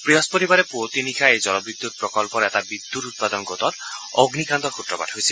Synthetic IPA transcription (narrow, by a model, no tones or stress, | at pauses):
pɾiɦɔspoɾibaɾepot̪inikʰaed͡ʑɔnɔbɾid̪ʱːut̪̚pɾɔkɔlpɔɾɛtabid̪ʱːuɾut̪̚pad̪ɔnɡot̪ɔɾoɡnikand̪ɔɾkʰut̪ɾɔba̰dɦojsʰi